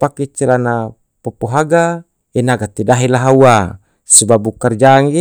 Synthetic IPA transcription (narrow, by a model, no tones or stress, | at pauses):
paket͡ʃːelana | popoɦaɡa | enaɡat̪edaɦilaɦaua | sibabukard͡ʒaŋi